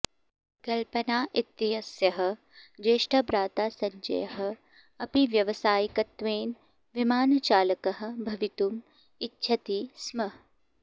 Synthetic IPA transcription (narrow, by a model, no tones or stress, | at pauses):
kɐlpɐnaːʔit̪ːiɦɐsjɐɦɐ̆ | d͡ʒeːʃʈɐbɾaːt̪aːsɐɲd͡ʒɐ̰jɐɦɐ̆ | ɐpiʋjɐʋɐsaːjikɐt̪ʋeːn | ʋimaːnɐt͡ʃaːlɐkɐɦɐ̆bʱɐʋit̪um | itːʃʰɐt̪iːsmɐɦ